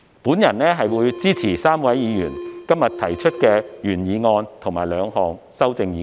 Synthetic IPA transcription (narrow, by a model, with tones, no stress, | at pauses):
puː˨˥njɐ˨˩nnɛː˥ɦɐ˨jwuː˨˧jt͡siː˥t͡sʰiː˨˩saː˥mwɐ˨˥jjiː˨˧jy̰ː˨˩nkɐ˥mjɐ˨t̪ʰɐ˨˩jt͡ʃʰɵ˥t̚kɛː˧jyː˨˩njiː˨˧ŋɔː˧nt̪ʰo˨˩ŋma̰ː˨˩jlœː˨˧ŋɦɔː˨˩ŋ | sɐ˥wt͡sɪ˧ŋjiː˨˧